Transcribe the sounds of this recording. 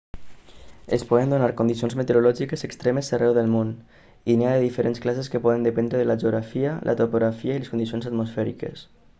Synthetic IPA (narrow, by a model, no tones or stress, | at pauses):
espɔðend̪unaɾkund̪isionzmet̪eɾulɔʒikesekst̪ɾɛmeserɛwðəlˠmon | iniaðeðifəɾensklaseskəpɔðend̪əpend̪ɾeðəlaʒuɣɾafiəlʔə̰t̪opoɣɾafiaileskund̪isionsat̪mosfɛɾḭkḛs